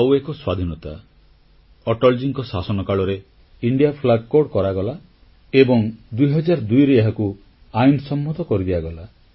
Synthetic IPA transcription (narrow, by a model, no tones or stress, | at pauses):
awekɔswad̪ʱinɔt̪a | ɔʈɔld͡ʒiŋkɔsasɔnɔkaɭɔɾe | iɳɖiapʰlaɡkoɽkɔɾaɡɔla | ebɔŋd̪ujɦɔd͡ʒaɾɔd̪ujɾeaɦaku | ajnsɔmːɔt̪ɔkɔɾid̪ebaɡɔla